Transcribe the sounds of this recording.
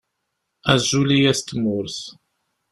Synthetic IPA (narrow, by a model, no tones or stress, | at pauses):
æzːulijæst̪ːmʊɾθ